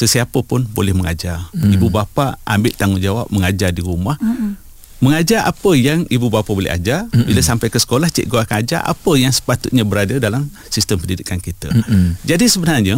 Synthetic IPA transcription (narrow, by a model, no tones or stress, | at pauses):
səsiapəpʊnbolɛhməŋad͡ʒaribubapaʔambɪʔt̪aŋund͡ʒawa̰p̚məŋad͡ʒardiɾumah | məŋad͡ʒaʔa̰pəjaŋibubapabolɛ̰ɦa̰d͡ʒarbiləsampajkəsə̥kolaht͡ʃɛ̰ʔɡoakanad͡ʒa̰rʔa̰pəjaŋsə̥pat̪ʊt̪̚ɲəbəɾadədalam | sist̪əmpəndidikankit̪ə̰d͡ʒadisəbənarɲə